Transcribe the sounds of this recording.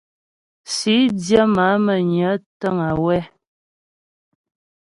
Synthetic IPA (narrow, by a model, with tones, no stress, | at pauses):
si˨˦dja˦ma˨˦mə˨ɲə˨˦tə˦ŋa˨wɛ˦